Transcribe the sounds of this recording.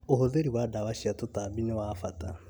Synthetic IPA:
ohoðeɾiwadawaʃiatotaːbinewafata

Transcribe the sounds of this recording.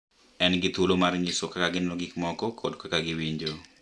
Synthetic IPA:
ɛnɡɪt̪ulomaɾɲisokakaɡɪnɔɡikmɔkɔkʰɔdkakaɡɪwiɲd͡ʒo

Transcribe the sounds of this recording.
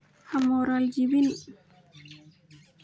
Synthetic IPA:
hamoɾald͡ʒiwin

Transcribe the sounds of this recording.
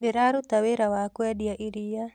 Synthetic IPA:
beɾaɾut̪aweɾawakwɛdiaʔiɾija

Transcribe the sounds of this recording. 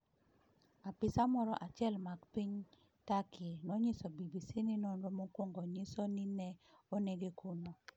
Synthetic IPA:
apɪsamɔɾɔ̰ʔat͡ʃjɛlmakpiɲ | takʰɪnɔɲɪsɔbibisinɪnɔnɾɔmokwoŋɡɔɲɪsɔnɪnɛoneɡekuno

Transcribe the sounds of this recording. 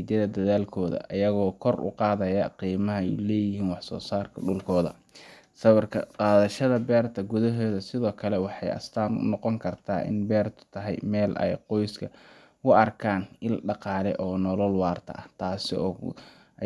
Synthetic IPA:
d̪ɐðɐd̪ɐðaːlkʰɔːðɐ̰ʔɐjɐɣɔːkʰɔrʊ̰qɑːðɐjɐqiːmɐɦɐɛlɛːjɪɦiːnwɑħsɔ̰ːsaːrkʰɐɖʊlkʰɔːðɐ̰ | sɐβɐrkʰɐqɑːðɐʃɐðɐbɛːrt̪ʰɐɡʊðɐɦɔːðɐsɪðɔːkʰɐlɛwɑħɑjɐ̰st̪ʰaːnʊ̰nɔqɔŋkʰɐrt̪ʰa̰ːʔɪ̰nbɛːrt̪ʰʊ̥t̪ʰɐɦɛ̰jmɛːlʔɛ̰jqɔjskʰɐ | ʊɐrkʰaːnɪlɖɑqɑːlɛ̰ʔɔːnɔlɔlwɑːrt̪ʰɐ̰ʔɐt̪ʰaːsɪ̰ɔː

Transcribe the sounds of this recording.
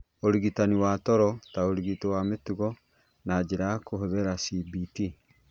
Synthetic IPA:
oɾiɣitaniwaːtɔɾɔtaoɾiɣitowametuɣɔ | nad͡ʑeɾakoɦoðeɾasibiti

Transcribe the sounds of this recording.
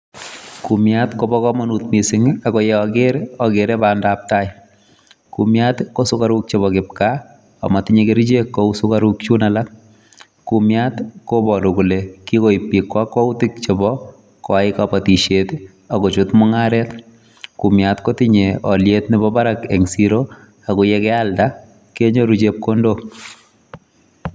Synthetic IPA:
kumjatkɔbɔkɔmanutmisɪŋakɔjɛɔɡɪɾɔɡeɾɛbandap̚taɪ | kumjatkɔsʊkaɾuk̚t͡ʃebɔkɪp̚ka | a̰matɪɲekeɾid͡ʒekːɔusʊkaɾukt͡ʃunalak̚ | kumjatkobɔɾʊkulekikoipːikwakːɔutɪkt͡ʃɪbɔ | kɔaɪkapatiʃet | akɔt͡ʃʊtmɔŋaɾɛt | kumjatkɔtɪɲeɔljetnɪbɔbaɾakeŋsiɾo | akʊjɛkɛalda | keɲoɾud͡ʒep̚kondo

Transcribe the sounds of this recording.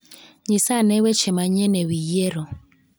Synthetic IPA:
ɲɪsanewet͡ʃemaɲenewijeɾo

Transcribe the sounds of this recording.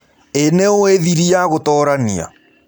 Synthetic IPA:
eneoeðiɾiaɣotɔɾania̰

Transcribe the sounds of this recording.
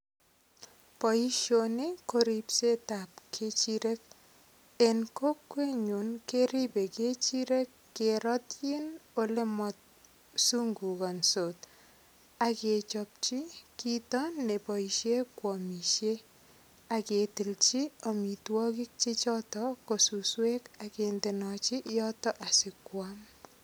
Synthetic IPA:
pɔjiʃonekoɾipset̪ap̚kʰet͡ʃiɾek̚ | enkokːweɲunkeɾibeket͡ʃiɾekːeɾɔt̪jinolemɔt̪̚ | suŋɡuɡɔnsot̪ | aket͡ʃɔp̚t͡ʃikitɔnːepɔiʃekwɔmiʃe | aketilt͡ʃiɔmitwɔkik̚t͡ʃit͡ʃɔtɔkosuswekakentenɔt͡ʃiʔjɔtɔʔasɪkwam

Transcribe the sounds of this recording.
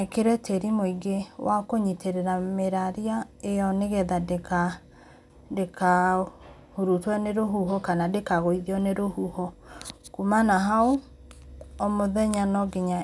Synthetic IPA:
keɾɛtʰeɾimoiɡewʔakoɲitʰeɾeɾameɾaɾiaejɔneɣɛðadeka | deka | hoɾutwɛneɾoɦuɦɔkanadekaɣoiðiɔneɾohuhɔkumanaɦao | omoðɛɲanɔɡeɲa

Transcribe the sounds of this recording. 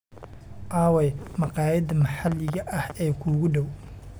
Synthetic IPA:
ʔaːwɛjmɑqɑːjɐd̪ɐmɐħalːɪɣɐʔɐhɛːkʰuːɣʊɖɔw

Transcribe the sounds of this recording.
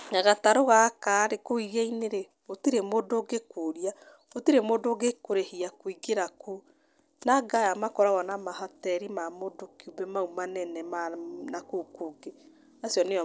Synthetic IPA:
naɣataɾoɣakaɾekoiɣeineɾe | otiɾemoːdoɡekoɾia | otiɾemoːndoɡekoɾehiakoiɣeɾako | naɡajamakɔɾaɣɔnamahɔtɛɾimamodokiubɛmaumanɛnɛmanakokoɡe | asjɔne

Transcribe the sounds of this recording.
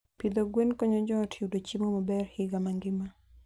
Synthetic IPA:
pid̪oɡwenkɔɲɔd͡ʒɔtʰudot͡ʃimomɔbɛrhɪɡamaŋɡɪma

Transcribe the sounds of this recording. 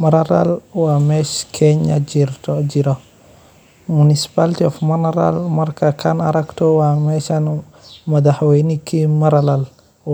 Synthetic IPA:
mɐɾaɾa̰lwamɛʃkʰɛɲad͡ʒiɾtɔd͡ʒiɾa | munisi̥paltiɔfmɐnɐɾa̰lmɐɾkakʰanaɾɐktɔwamɛʃan | mɐd̪aħwɛjnikimɐɾalal

